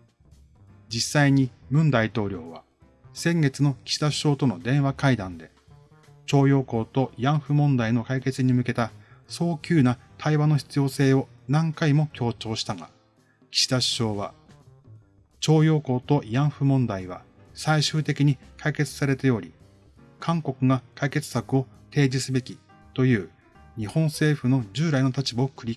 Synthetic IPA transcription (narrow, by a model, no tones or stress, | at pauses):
d͡ʑisːaiɲ̟imɯ̟̃nd̪ait̪o̞ːɾʲo̞ːβa | sẽ̞ŋɡe̞t͡sɨno̞kʲi̥ɕi̥d̪aɕɕo̞ːt̪o̞no̞d̪ẽ̞ɰ̃βakaid̪ãnd̪e̞ | t͡ɕo̞ːjo̞ːko̞ːt̪o̞jãɰ̃ɸɯ̟mõ̞nd̪aino̞kaike̞t͡sɨɲ̟imɯ̟ke̞t̪aso̞ːkʲɨːna | t̪ʰaiβano̞çi̥t͡sɨjo̞ːse̞ːo̞ | nãŋkaimo̞kʲo̞ːt͡ɕo̞ːɕi̥t̪aŋa̰ | kʲi̥ɕi̥d̪aɕɕo̞ːβa | t͡ɕo̞ːjo̞ːko̞ːt̪o̞jãɰ̃ɸɯ̟mõ̞nd̪aiβa̰ | saiɕɨːt̪e̞kʲiɲ̟ikʰaike̞t͡sɨ̥saɾe̞t̪ajo̞ɾʲḭ | kʰãŋko̞kɯ̟ɡakaike̞t͡sɨ̥sakɯ̟o̞ | t̪e̞ːd͡ʑisɨbe̞kʲi | t̪o̞jɯ̟ː | ɲ̟ihõ̞ɰ̃se̞ːɸɯ̟no̞d͡ʑɨːɾaino̞t̪at͡ɕibaokɯ̟ɾʲi